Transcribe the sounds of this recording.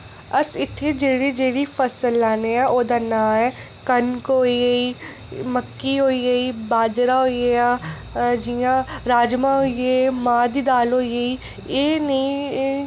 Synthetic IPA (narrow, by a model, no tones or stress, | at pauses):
ɐsɪt̪ʰːed͡ʒeːɽid͡ʒeːɽipʰɐsəlːaːneãʔoːd̪anãːɛː | kɐnkoːieiː | mɐkːiɦoːieiːbaːd͡ʒɾaɦoːiea | d͡ʒijãɾaːd͡ʒmãɦoiemãːd̪id̪aːlɦoːieiː | eːnɐĩ